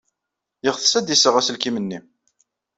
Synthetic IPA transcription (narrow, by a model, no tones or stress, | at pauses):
jəʁθə̥sæd̪isəʁæsəlkimənːi